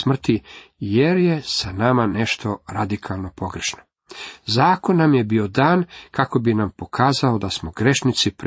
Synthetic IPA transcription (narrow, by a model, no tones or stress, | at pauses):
smr̩t̪i | jeɾjesanamaneʃt̪ʰo̞ɾad̪ikʰalˠno̞po̞ɡɾeʃno | zaːko̞nːamjebio̞d̪aːnkako̞binampo̞kʰaːzaod̪asmoɡɾe̞ʃnit̪sipɾ